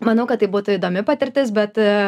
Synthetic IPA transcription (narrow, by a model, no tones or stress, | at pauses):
mɐnɐʊkɐt̪ːɐɪbuːt̪ʊid̪oːmʲɪpɐt̪ʲɪɾʲt̪ʲɪs̬bʲɛt̪